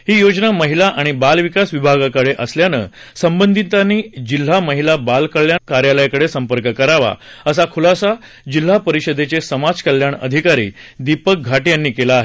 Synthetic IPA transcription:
ɦiːjod͡znaməɦilaʔaɽ̃ibalʋikasʋibʱaɡakəɽeʔəsljanə̰ːsəmbənd̪ʱit̪aniːd͡ʑil̤ːaməɦilabalkəɭjakaɾjaləjkəɽesəmpəɾkəkəɾaʋa̰əs̬akʰulasa | d͡ʑil̤ːapəɾiɕəd̪ʱet͡sesəmad͡zkəljaɳə̰d̪ʱikaɾḭːd̪ipək̚ɡʱaʈjanːiːkelaːɦe

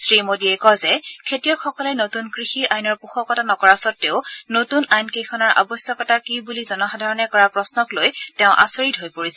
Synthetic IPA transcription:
sɹimodiɛkɔzɛkʰetijɔxɔkɔlɛnotunkɹixiajnɔɹpuxɔkɔtanɔkɔɹasɔtːeʊnotunajnkejkʰɔnɔɹʔa̰bɔsjɔkɔtakibulizɔnɔxadʱaɹɔnɛkɔɹapɹɔsnɔklojtɛʊ̃ʔa̰soɹitɦojpoɹisɛ

